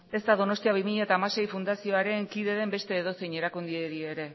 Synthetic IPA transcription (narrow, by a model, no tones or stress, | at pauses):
e̞zt̪aðo̞no̞st̪iaβ̞imiʎat̪aːmase̞jfund̪asio̞aɾe̞ŋkiðe̞ðe̞mbe̞st̪e̞ːð̞o̞sejɲe̞ɾakund̪ieɾie̞ɾe̞